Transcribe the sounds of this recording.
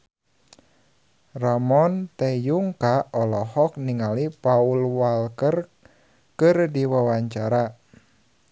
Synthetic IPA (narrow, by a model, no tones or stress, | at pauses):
ramɔnt̪ejuŋkaɔlɔhɔk̚niŋalipaulwalkər | kɨrdiwawaɲt͡ʃaɾa